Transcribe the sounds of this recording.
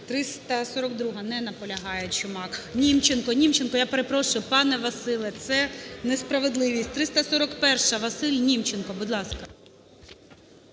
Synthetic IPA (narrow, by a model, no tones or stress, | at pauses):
t̪ɾɪst̪ɐsɔɾɔkd̪ɾuɦɐnɛnɐpɔlʲɐɦɑjet͡ʃʊmɑknʲimt͡ʃenkɔnʲimt͡ʃenkɔjapeɾepɾɔʃʊjʊpɑnɛʋɐsɪlˠɛt̪sɛnespɾɐʋe̞d̪lˠɪʋʲisʲtʲt̪ɾɪst̪ɐsɔɾɔkpɛrʃɐʋɐsɪlʲnʲimt͡ʃenkɔbuʊd̪lˠɑskɐ